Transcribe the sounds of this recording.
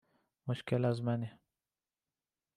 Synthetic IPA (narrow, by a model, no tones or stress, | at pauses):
mʊʃkɪlazmani